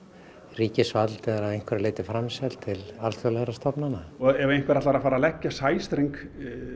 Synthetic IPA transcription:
riːcɪsvat̪lt̪ɛðɾaðejn̥kʰvɛɾɪleːjt̪ɪfɾamsɛlt̪ʰɪlaɾt̪fœlɛɣɾast̪ɔpnanːaɔɣɛvaejn̥kvɛɾat̪aɾafaːɾalɛcːasaːjst̪ɾiŋk

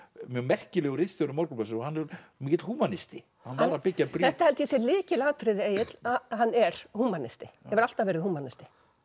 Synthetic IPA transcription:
mjœɣmɛr̥cɪlɛɣʏɾɪðst̪œɾʏmɔɾkʏplasɪɔhanːɛɾ | micɛt̪l̥huːmanɪst̪ɪ | hanaːɾapɪcːapɾθɛht̪ahɛlt̪əjɛsjɛlɪːcɪlaːt̪ɾɪðɪeːjɪt̪l̥ahanːɛɾ̥huːmanɪst̪ɪɛvɪɾal̥t̪avɛːɾɪðhuːmanɪst̪ɪ̥

